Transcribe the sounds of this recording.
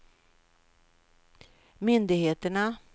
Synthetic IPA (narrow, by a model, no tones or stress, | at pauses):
mʏnd̪ɪɡheːt̪əɳa